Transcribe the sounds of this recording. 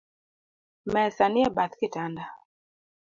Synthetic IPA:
mɛsaniɛbaθkɪtanda

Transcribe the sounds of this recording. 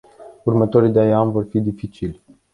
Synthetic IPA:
urmət̪o̞ɾid̪eaanvo̞rfid̪ifit͡ʃilʲ

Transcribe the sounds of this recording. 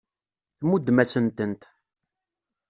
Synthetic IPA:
θmud̪ːmæsənt̪ənt̪

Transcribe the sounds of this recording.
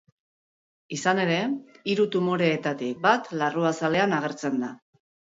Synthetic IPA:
isane̞ɾe̞iɾut̪umoɾe̞ːt̪at̪ik̚bat̪laruasale̞anaɣ̞e̞ɾt͡se̞nd̪a

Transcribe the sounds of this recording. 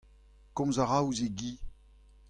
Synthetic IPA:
kɔ̃mzaʁawzeɡi

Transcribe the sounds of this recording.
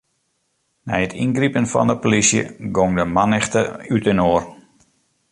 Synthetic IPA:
nɛjətʰinɡripənfɔ̰ndəpolisjə̰ɡoŋdəmanɛxtəytənoːər

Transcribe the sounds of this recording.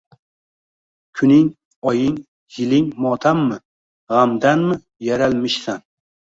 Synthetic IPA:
kʲʰʊnɪŋ | ɒjɪŋ | jɪlɪŋmɒt̪ʰamːɪ | ʁamd̪anmɪ | jaɾalmɪʃsan

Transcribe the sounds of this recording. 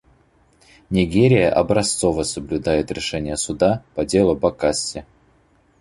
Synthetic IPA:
nʲɪɡʲeɾʲɪjəʔɐbɾɐst̪sovəsəblʲʊd̪ajɪt̪ɾʲɪʂɛnʲɪjəsʊd̪apɐdʲe̞lˠʊbɐkasʲːɪ

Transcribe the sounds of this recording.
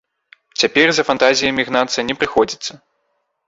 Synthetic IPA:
t͡sʲapʲɛrzɐfant̪azʲijɐmʲiɣnat̪sɨjnʲɛpɾɨxɔd͡zʲit̪sːɐ

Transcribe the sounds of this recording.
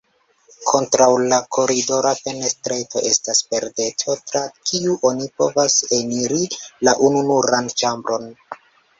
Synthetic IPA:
kʰo̞ntɾawlakʰo̞ɾido̞ɾafe̞ne̞stɾe̞to̞̰ʔe̞staspe̞ɾde̞tʰo̞tɾakʰiuʔo̞nipo̞vase̞niɾilaʔununuɾant͡ʃambɾo̞n

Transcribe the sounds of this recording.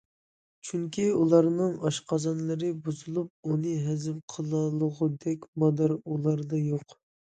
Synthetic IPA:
t͡ʃʰyŋkʲʰiulˠɑɾnɨŋɑʃqʰɑzɑnlˠɨɾɨbuzɨlˠup̚unɨɦɛzɪmqʰəlˠɑlˠəʁʊd̪ɛkʲmɑd̪æɾulˠɑɾd̪ɑjoq

